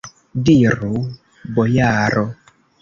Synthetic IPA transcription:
diɾu | bɔjaːɾɔ

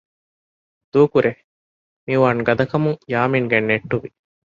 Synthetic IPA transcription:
d̪uːkuɾe | miʋaːnɡɐd̪ɐkɐmuŋjaːmiŋɡenːeʈːuʋi

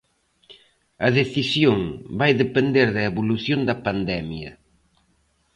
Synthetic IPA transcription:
ɐðeθisjoŋbajðepend̪eɾðɐeβuluθjond̪ɐpand̪ɛmjɐ̰

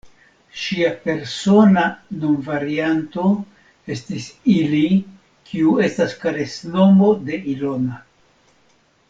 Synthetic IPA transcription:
ʃiape̞ɾso̞nanonvaɾianto̞ | e̞stisili | kʰiue̞staskaɾe̞sno̞mo̞d̪e̞ilo̞na

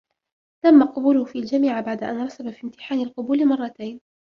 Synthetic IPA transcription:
t̪amːaqʊbuːlʊhʊfiːald͡ʒamiːʕbaʕd̪aʔanɾˤɑsabafiːmt̪ɪ̥ħaːnɪlqʊbuːlɪmɑrˤːɑt̪ajn

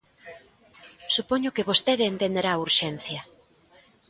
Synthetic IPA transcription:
supɔɲʊkɪβost̪eðɪːnt̪end̪eɾauɾʃenθjɐ

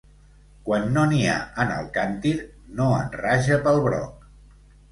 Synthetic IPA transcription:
kwanːonia̰ənə̰lˠkant̪iɾ | noə̰nraʒəpəlˠβɾɔ̰k̚

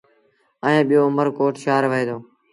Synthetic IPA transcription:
əẽːɓɪjoːʊməɾkoːʈʃaːɾʋəeːd̪oː

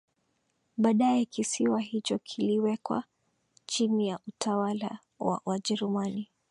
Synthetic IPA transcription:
ɓaːɗaɛkisiwaɦit͡ʃɔkʰiliwɛkwa̰ | t͡ʃinijaʔutʰawala̰ | wa̰waʄɛɾumani

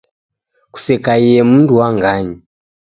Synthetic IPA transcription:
ku̥sɛkaiɛmunduwaŋɡaɲi

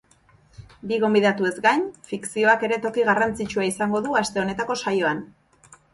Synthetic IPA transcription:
biɣo̞mbiðat̪ue̞zɡajnfiksio̞ake̞ɾe̞t̪o̞kiɣarant͡sit͡ʃuaisaŋɡo̞ðuast̪e̞o̞ne̞t̪ako̞sajo̞an

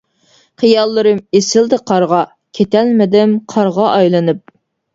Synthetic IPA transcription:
χɨjɑlˠːɨɾɨmesɪld̪ɪqʰɑɾʁɑ | kʲʰet̪ɛlmɪd̪ɪmqʰɑɾʁɑʔɑjlˠɨnɨp̚

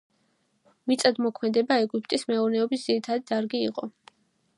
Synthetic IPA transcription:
mit̪sʼad̪mɔkʰmɛd̪ɛbaɛɡypʰʼt̪ʼismɛuɾnɛɔbisd̪z̥iɾit̪ʰad̪id̪aɾɡiiqʼɔ

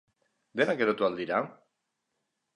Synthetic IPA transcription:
d̪e̞nakeðot̪uald̪iɾa

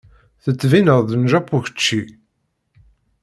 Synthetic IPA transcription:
θət͡sːvinəðˤðənʒæpːuçə̥t͡ʃːi

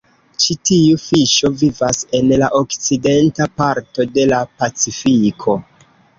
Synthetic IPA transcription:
t͡ʃitiufiʃo̞vivase̞nlaʔo̞kt͡side̞ntapaɾto̞de̞lapat͡sifikʰo̞

